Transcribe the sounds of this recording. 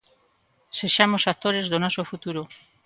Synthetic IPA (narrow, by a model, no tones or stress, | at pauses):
seʃamosat̪oɾezðonɔsofut̪uɾo